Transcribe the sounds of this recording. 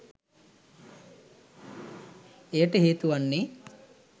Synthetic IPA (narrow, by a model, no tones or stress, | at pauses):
ejəʈəɦiːt̪uʋanːi